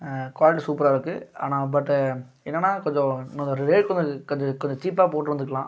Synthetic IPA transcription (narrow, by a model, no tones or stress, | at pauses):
kʋaːlɪʈ̬isuːpɐɾaːɪɾɯkːɯa̰ːnaːbɐʈː | ɛnːɛnːaːkɔɲd͡ʒɔ̃nɐnd̪ɐɾɪʋeːʈkɔɲd͡ʒɐkɔɲd͡ʒɔkɔɲd͡ʒɔt͡ʃiːp̬ːaːpoːʈːɯɾɐnd̪ɯkːɐlãː